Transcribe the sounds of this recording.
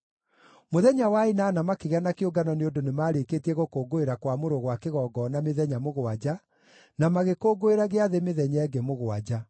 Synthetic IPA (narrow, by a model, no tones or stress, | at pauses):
moðɛɲawainaːnamakeɣeanakeoɡanɔneondonemaːɾekeːtiɛɣokoːɡoeɾakwamoɾoɣwakeɣɔːɡɔnameðɛɲamoɣwad͡ʑa | namaɣekoːɡoeɾaɣeaðemeðɛɲɛɡemoɣoad͡ʑa